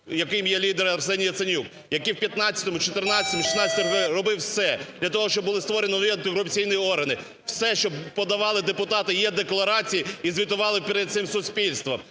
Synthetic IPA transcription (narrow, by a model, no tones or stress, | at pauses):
jɐkɪmjɛlʲid̪eɾɐrsɛnʲijɐt̪sɪnʲuk | jɐkiwpʲjɐt̪nɑt͡sʲɐ̥t̪ɔmʊt͡ʃɔt̪ɪrnɑt͡sʲɪɐt̪ɔmʊʃisnɑt͡sʲɐ̥t̪rɔbɪwsɛd̪lʲɐt̪ɔɦɔʃt͡ʃɔbʊlˠɪst̪ʋɔɾenʲiniɐnt̪ɪɾʊp̚t͡sʲijnʊjiɔrɦɐnɪ | wsɛʃt͡ʃɔbpɔd̪ɐʋɑlˠɪd̪epʊt̪ɑt̪ɪjɛd̪eklˠɐɾɑt͡sʲijiizʲʋʲit̪ʊʋɑlˠɪpʲiɾed̪̚t̪sɪmsʊsʲpʲilʲst̪ʋɐm